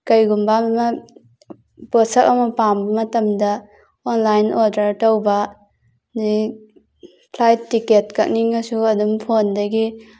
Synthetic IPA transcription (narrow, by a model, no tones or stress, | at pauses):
kɐjɡumbammɐ | posɐkɐmɐpambɐmɐtɐmdɐ | onlajnodɐɾtɐwbɐ | ni | pʰlajtːiketkɐk̚niŋɐsuɐdumpʰondɐɡi